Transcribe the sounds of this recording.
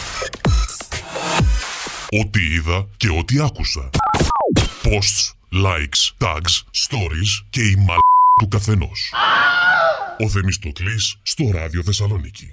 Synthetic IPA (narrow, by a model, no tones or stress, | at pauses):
o̞t̪iiðɐce̞o̞t̪iɐkusɐ | po̞st̪s | lɐjkst̪ɐ̰ɡsst̪o̞ɾisce̞imɐt̪ukɐθe̞no̞̰s | o̞θe̞mist̪o̞t̪lisːt̪o̞ɾɐðio̞θe̞sɐlo̞nici̥̰